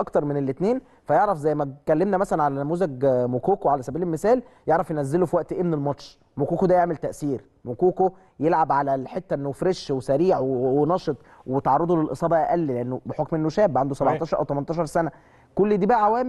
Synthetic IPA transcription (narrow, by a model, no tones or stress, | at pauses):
ʔɑkt̪ɑɾˤmenelːet̪neːn | fæjeʕɾæfzæjːmækælːemnæmæsælænʕalænæmuːzæɡmokuːkoʕalæsæbiːlelmesæːl | jeʕɾˤɑfjenæzːelofiwæʔt̪ʔeːmnelmɑt̪ʃ | mokuːkod̪æjeʕmelt̪æʔsiːɾ | mokuːko | jelʕabʕalælħet̪ːæʔenːofɾeʃwesæɾiːʕwwenɑʃet̪ˤ | wet̪ʕɑɾˤːɑd̪ˤulelʔesˤɑːbɑʔæʔælːileʔenːobeħokmʔenːoʃæːbːʕand̪osæbɑʕt̪ˤɑːʃɑɾʔæwt̪æmænt̪ɑːʃɑɾˤsænæ | kolːid̪iːbæʔʕawæːm